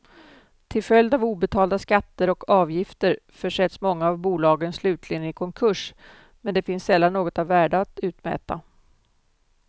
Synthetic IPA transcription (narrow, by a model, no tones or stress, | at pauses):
t̪ʰɪlfœljd̪avuːbɛt̪ʰɑːld̪askat̪ːəɾɔkʰɑːvjɪft̪əɾ | fœʂɛt̪smɔŋːaːvbuːlɑːɡənslʉ̟ːt̪ʰlɪɡənɪkʰɔŋkʰɵʂ | mɛnd̪ɛfɪnsːɛlːanːoːɡɔt̪avːæːɖaːt̪ʉ̟ːt̪mɛ̰ːt̪a̰